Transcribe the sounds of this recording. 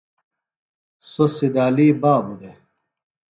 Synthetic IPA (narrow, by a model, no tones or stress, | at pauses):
sosid̪aːliːbaːbud̪e